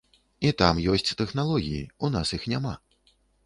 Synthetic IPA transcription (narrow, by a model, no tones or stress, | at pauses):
it̪amjɔsʲt͡sʲt̪ɛxnalˠɔɣʲijḭunasjixnʲama̰